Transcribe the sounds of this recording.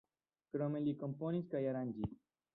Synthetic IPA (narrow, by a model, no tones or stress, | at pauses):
kɾomelikomponiskajaɾand͡ʒi